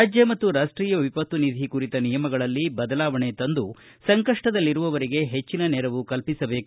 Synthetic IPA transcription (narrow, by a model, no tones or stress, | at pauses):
aːd͡ʒjɐmɐt̪ːuɾaːʂʈɾiːjɐʋipɐt̪ːunid̪ʱikuɾit̪ɐnijɐmɐɡɐɭɐlːibɐd̪ɐlaːʋɐɳe̞t̪ɐnd̪u | sɐŋkɐʂʈɐd̪ɐlːiɾuʋɐʋɐɾiɡe̞ɦet͡ʃːinɐnɛɾɐʋukɐlpisɐbe̞ːku